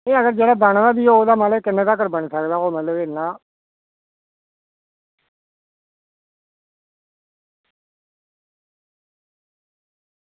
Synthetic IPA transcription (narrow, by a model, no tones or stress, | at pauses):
eːəɡəɾd͡ʒeːɽaːbaɳ̃daːd̪iːoːoːd̪aːmaːləkɪnːeːd̪aːk̬əɾbəɳsəkd̪aːɦoːmət̪ləbeːnãː